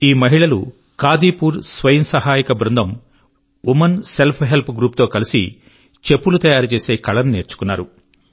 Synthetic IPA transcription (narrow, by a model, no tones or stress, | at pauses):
iːmɐɦiɭɐlṵ | kaːd̪iːpuːɾsʋɐjɐnsɐɦaːjikɐbɾund̪ʱɐm | umɐnse̞lpʰɦe̞lpɡɾuːp̚t̪o̞ːkɐlisḭ | t͡ʃe̞pːulut̪ɐjaːɾut͡ʃe̞ːse̞ːkɐɭɐnuneːɾt͡ʃu̥kunːaːɾu